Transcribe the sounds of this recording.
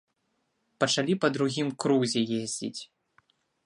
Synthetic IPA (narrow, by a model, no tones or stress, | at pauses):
pɐt͡ʂalʲipɐd̪ɾuɣʲimkɾuzʲɛjezʲd͡zʲḭt͡sʲ